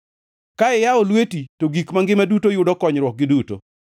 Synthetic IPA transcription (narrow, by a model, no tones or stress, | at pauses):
kaɛjaɔlwetitoɡikmaŋɡɪmadutojʊdɔkɔɲɾwɔk̚ɡɪduto̰